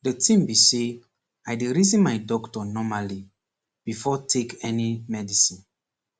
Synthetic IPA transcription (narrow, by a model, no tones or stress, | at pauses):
dətʰĩmbise | ajdiɹizĩnmajdɔktɔnɔmali | b̥ifɔtʰekɛnimɛdisĩn